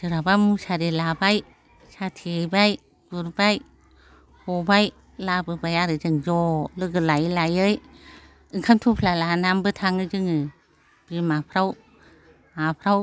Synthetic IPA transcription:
sɯɾabamusaɾilabaj | satʰijbaj | ɡ̥uɾbaj | hɔbaj | labɯbajaɾɯd͡ʒɯŋd͡ʒɔlɯɡɯlajlajɯj | ɯŋkʰamtʰupʰlalanambɯtʰaŋɯd͡ʒɯŋɯ | b̥imapʰɾaw | apʰɾaw

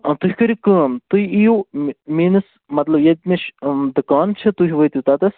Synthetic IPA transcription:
t̪uɦʲikɐɾʲikəːnt̪uiijumiːnɨs | mɐt̪lɐbjɐd̪̚ʲmʲiʃd̪ɨkaːnt͡ʃʰɐt̪uɦʲiʋəit̪it̪at̪ɐs

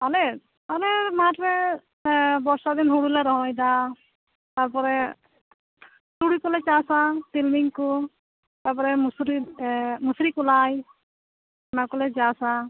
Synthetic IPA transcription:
ɔlɛ | ɔlɛmatɾɛ | bɔɹsad̪inɦuɽulɛɾɔɦɔjda | taɹpɔɾɛ | tuɽikɔlɛt͡ʃasatilmiŋku | taɹpɔɾɛmusɾimusɾikulaj | makɔlɛzasa

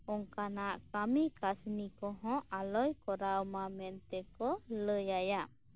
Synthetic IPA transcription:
ɔŋkanaʔkamikasnikɔɦɔ̃ʔalɔjkɔɾawmamɛnt̪ɛkɔləjajaʔ

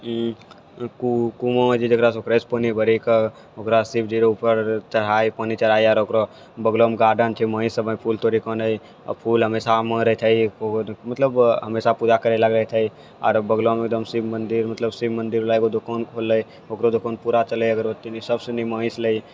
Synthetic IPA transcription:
kukumõd͡ʒid͡ʒ̪ekɾasoːkɾəspənibəɾik | okɾasib̚d͡ʒiɾeupəɾt͡ʃɐɾaːipəːnit͡ʃɐɾaːiaːɾokɾo | bəɡlomɡaːɖənt͡ʃʰeməːĩsəbəipʰuːlt̪oːɾikɔ̃ːnəi | pʰuːlɦɐmeːsamə̃ɾəet̪ʰɐikomɐt̪ləbɦɐmeːsapud͡ʒakəɾelɐɡɾəet̪ʰɐi | ɔ̰ːɾbəɡlomek̚d̪əmsibmə̃nd̪iɾmɐt̪ləbsibmə̃nd̪iɾlaːeɡod̪ʊkoːnkʰoːləi | oːkɾod̪ʊkoːnpuːɾat͡ʃəleɐɡəɾbət̪ːinisɐbseniməːĩsləi

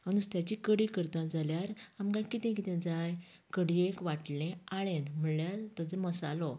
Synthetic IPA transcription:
ənust̪jat͡ɕikəɽikəɾt̪ãd͡zaljaɾamkãkit̪ɛ̃k̬it̪ɛ̃d͡zaj | kəɽiekʋaʈlẽaɭenm̤əɳljaɾt̪ɔd͡zeməsalɔ

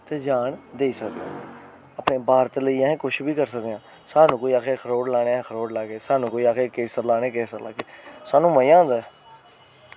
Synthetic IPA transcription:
t̪eːd͡ʒaːɳd̪eːiːsəkd̪ã̰ː | əpneːbaːɾt̪ləiːãːɦɛ̃ːkʊt͡ʃʰbiːkəɾsəkd̪eãː | saːnũːkoːiːaːkʰeːkʰəɾoːɽlaːɽ̃ẽkʰəɾoːɽlaːɡeːsaːnũːkoːiːaːkʰeːkeːsəɾlaːɽ̃eːkeːsəɾla̰ːɡeːsaːnũːməãːnd̪aː

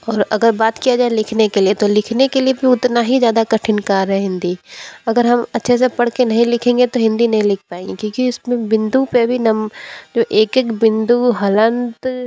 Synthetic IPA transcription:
ɔːɾɐɡəɾbaːt̪kijad͡ʒaːelɪkʰnekeliet̪olɪkʰnekeliebʱiʊt̪naɦizjaːd̪akɐʈʰɪnkaːɾɦɛɦɪ̃nd̪iɐɡəɾɦɐmɐtːʃʰes̬epɐɽ̤kenɐɦĩlɪkʰẽːŋɡet̪oɦɪ̃nd̪inɐɦĩlɪkʰpaːẽŋɡikjõːkiʊsmẽbɪ̃nd̪upebʱinɐmd͡ʒoːʔeːkekbɪ̃nd̪uɦɐlə̃nt̪

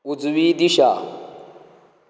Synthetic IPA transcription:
ud͡zuβidiʃa

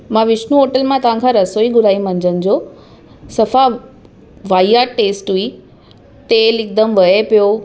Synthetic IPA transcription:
mãʋɪʃnũɦoːʈəlmãt̪ɐʋ̤ãkʰãɾɐsoːiɡʊɾaːimɐ̃ɲd͡ʑənɪ̆d͡ʑoː | sɐfa | ʋaːiaːʈeːsʈɦui | t̪elɪk̚d̪əmʋɐepijo

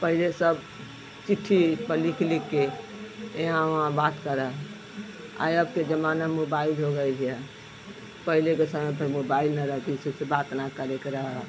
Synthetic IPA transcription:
pəɦilesəb | t͡ʃiʈʰːipəlikʰlikːe | eɦãʋɦãbat̪kəɾəɦ | a̰jəbked͡ʒəmanamobailɦoɡəjd͡ʒʰjɛ | pəɦilekesəməjpəɾmobailnəɾəɦk̪isibsebat̪nakəɾekeɾəɦə

